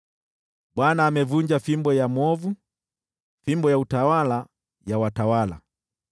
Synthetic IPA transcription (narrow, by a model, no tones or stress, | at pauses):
ɓwanaːmɛvuɲd͡ʒafimbɔjamɔvu | fimbɔjautawala | jawatawala̰